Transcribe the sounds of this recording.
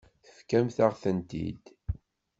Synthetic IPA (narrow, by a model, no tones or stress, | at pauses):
θə̥fkæmθaʁθənt̪ḭd̪